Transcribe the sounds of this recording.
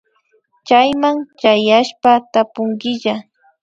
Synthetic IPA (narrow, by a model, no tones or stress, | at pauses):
t͡ʃajmaŋt͡ʃajaʃpat̪apʊŋɡɪʎa